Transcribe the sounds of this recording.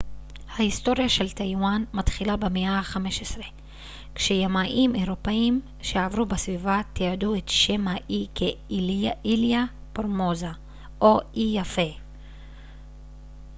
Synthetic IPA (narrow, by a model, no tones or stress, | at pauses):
hahisto̞ʁjaʃe̞ltajwanmatχilabemeaaχame̞ʃesʁe̞ | kʃejamaʔimeʁo̞peim | ʃeavʁubesvivat̪iaduetʃemaʔikʰe | ilija | poʁmoza | ʔoʔijafe